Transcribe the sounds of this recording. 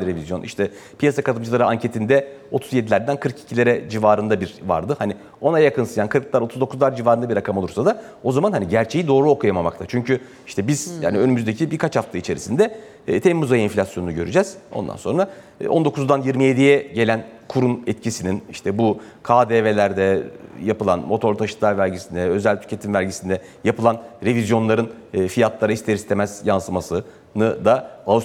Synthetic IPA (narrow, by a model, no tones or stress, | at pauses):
ɾevizjo̞nʔḭʃt̪ʰɛpʰijasakat̪ɯmd͡ʒʰɯlˠaɾɯaɲcʰe̞t̪ʰind̪ɛ | o̞t̪ʰuzjed̪ilʲæɾd̪ænkʰɯɾkʰi̥cʰilʲeɾɛd͡ʒivaːɾɯnd̪abiɾva̰ɾd̪ɯhani | o̞najakʰɯnsɯjankʰɯɾklˠaɾot̪ʰuzd̪o̞kʰuzlˠaɾd͡ʒivaːɾɯnabiɾakʰamo̞lˠuɾsad̪a | o̞zamanhaniɟæɾt͡ʃʰe̞jid̪o̞ːɾuokʰujamama̰k̚t̪ʰat͡ʃʰyɲcy | i̥ʃt̪ʰɛbiz̥ja̰ːniø̞nymyzd̪e̞cʰibiɾkʰat͡ʃhaft̪ʰɯit͡ʃʰe̞ɾḭsind̪ɛː | t̪ʰemmuzajainflʲasjo̞nunuɟø̞ɾyd͡ʒɛz̥o̞̰nd̪a̰nso̞̰nɾaː | ʔo̞nd̪o̞kʰuzd̪anjiɾmije̞d̪ijɛɟe̞lʲænkʰuɾunɛt̪cʰisininiʃt̪ʰɛbu | kʰaːd̪eːve̞lʲæɾd̪ɛjapɯlˠa̰nmo̞t̪ʰo̞ɾt̪ʰaʃɯ̥t̪lˠaɾvælʲɟisind̪ɛø̞zælʲt̪ʰy̥cʰe̞t̪ʰimvælʲɟisind̪ɛ | japʰɯlˠanɾe̞vizjo̞nlˠaɾɯnː | fijat̪lˠaɾaist̪ʰe̞ɾist̪ʰe̞mæz̥jansɯmasɯ | nɯd̪aa